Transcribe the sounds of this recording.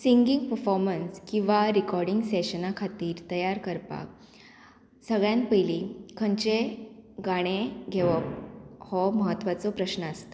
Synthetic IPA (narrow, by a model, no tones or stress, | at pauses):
siŋɡiŋɡpəɾfɔɾmənskĩw̃ʋaɾikɔɾɖiŋɡseɕənakʰat̪iːɾt̪əjaɾkəɾpa̰ | səɡɭjãnpəjlikʰəɲt͡ɕeɡaɽ̃eɡʱeʋɔhɔməɦət̪ːʋat͡sɔpɾəɕnəəst̪a